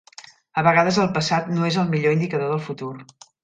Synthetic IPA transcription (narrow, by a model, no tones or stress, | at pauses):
əβəɣaðəzəlˠpəsat̪noezəlˠmiʎoind̪ikəðoðəlˠfut̪ur